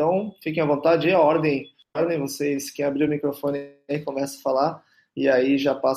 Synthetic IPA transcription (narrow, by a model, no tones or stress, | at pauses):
t̪ɐ̃w̃fikẽj̃ɐvõt̪ad͡ʒɪiɐɔɾd̪ẽj̃ | ɔɾd̪ẽj̃voseskẽj̃abɾiɾʊmikɾofõnɪ | ikõmɛsɐɐfalaɾ | ɪaiʒapas